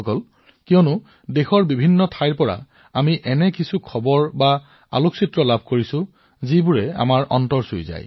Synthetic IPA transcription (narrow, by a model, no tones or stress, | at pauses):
kɔl | kijɔnʊ | dexɔɹbibʱinːɔtʰajɹpɔɹa̰ | amiʔɛnɛkisukʰɔbɔɹba | a̰loksitɹɔlab̚ʱkoɹisʊ̃ | zibuɹɛa̰maɹʔɔ̰ntɔɹsojza̰j